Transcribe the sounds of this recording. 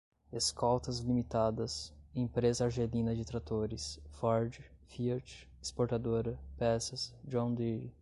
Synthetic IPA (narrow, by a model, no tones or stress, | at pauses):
eskʰɔwt̪ɐzlimit̪ad̪ɐsẽpɾezɐaɾʒelĩnɐd͡ʒɪt̪ɾat̪oɾɪsfɔɾd͡ʒɪfiɐɾt͡ʃ | ispoɾt̪ad̪oɾɐpɛsɐsd͡ʒõd̪i